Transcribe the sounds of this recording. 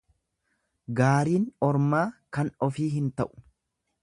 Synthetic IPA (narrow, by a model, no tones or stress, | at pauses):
ɡaːɾiːnɔɾmaːkɐnɔfiːɦɪnt̪ɐʔʊ̥